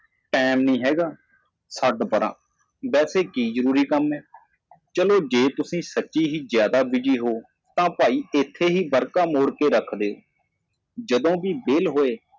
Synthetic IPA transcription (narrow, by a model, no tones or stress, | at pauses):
ʈɛːmnĩːɦɛːɡaː | səɖbəɾã̰ː | bɛːseːkiːzəɾuːɾiːkəmɛː | t͡ʃəloːd͡ʒeːt̪ʊsĩːsətːʃiːɦiːzjaːd̪aːbɪd͡ʒiːɦoː | t̪ãːpaːiːɪt̪ʰːeːɦiːbəɾkaːmoːɽkeːɾəkʰd̪eːɦoː | d͡ʒəd̪õːbiːbeːlɦoːeː